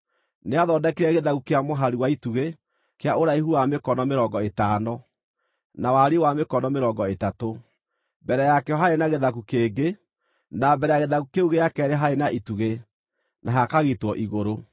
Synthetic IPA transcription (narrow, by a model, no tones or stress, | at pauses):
neaðɔdakiɾɛɣeðaɣukeamoɦaɾiwaituɣe | keaoɾaiɦuwamekɔnɔmeɾɔŋɡɔetanɔ | nawaɾewamekɔnɔmeɾɔːŋɡɔetato | bɛɾɛjakɛɔɦaɾenaɣeðaɣukeːɡe | nabɛɾɛjaɣeðakukeuɣejakɛɾeɦaenaʔituɣe | naɦakaɣetwɔʔiɣoɾo